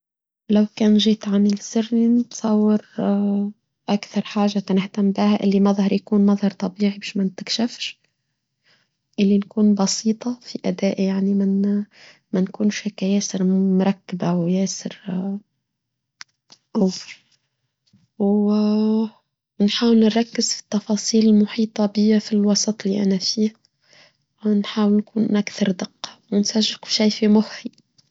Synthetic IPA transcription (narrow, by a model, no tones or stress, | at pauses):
lawkaːnʒiːt̪ʕanɪlsɪrninɪt̪sˤɑwːɪɾ | ʔakθɑɾˤħaːʒat̪anɪht̪ambihaʔɪlːimaðˤhɑɾˤjakuːnmɑðˤhɑɾˤt̪ˤɑbiːʕibaːʃmant̪ɪkʃafʃ | ʔɪlːinkuːnbɑsiːt̪ˤɑfiʔad̪aːʔjaʕnimɪn | mankuːnʃhakːajeːsɪɾmʊɾˤɑkːɪbawjɛːsɪɾ | ʔaw | w | nħaːwɪlnɾˤɑkːɪz̥fi̥t̪ːɑfɑːsˤiːlɪlmʊħiːt̪ˤɑbɪjːafilwɑsˤɑt̪ˤliʔænafiːh | wnħaːwɪlnkuːnʔakθɑɾˤd̪ɪqːɑ̥wɪnsaʒːɪqʃajfimʊħi